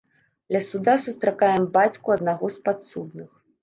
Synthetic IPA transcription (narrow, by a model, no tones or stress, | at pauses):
lʲɐsud̪asust̪ɾakajɛmbat͡sʲkuɐd̪naɣɔspat̪sud̪nɨx